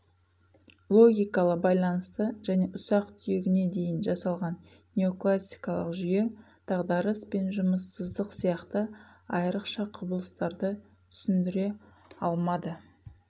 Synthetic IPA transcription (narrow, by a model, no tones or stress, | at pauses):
lˠo̞ɡʲijkɑlˠəqbɑjlˠɑnəst̪əʒæne̞ʔʊsɑqt̪ʰʏjeɡʲɪne̞d̪e̞jɪnʒɑsɑlˠʁɑn | nʲeo̞klˠasʲːi̥jkɑlˠə̰qʒʏje̞ | d̪̥ɑʁd̪ɑɾəspe̞nʒʊməsːəzd̪əqsijɑqt̪ə | ɑjəɾəqʃɑqʰʊbəlˠəst̪ɑɾd̪ə | t̪ʰʏ̥sɪnd̪ɪɾe̞ | ɑlˠmɑd̪ə